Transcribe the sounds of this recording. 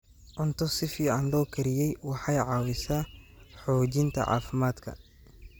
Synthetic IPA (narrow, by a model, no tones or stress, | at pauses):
ʔɔnt̪ʰɔsɪfiːʕɑnlɔːkʰɐɾɪjɛjwɑħɑjʕɑːwɪsaːħɔːd͡ʒɪnt̪ʰɐ̰ʕɑ̰ːfɪmaːd̪kʰɐ̰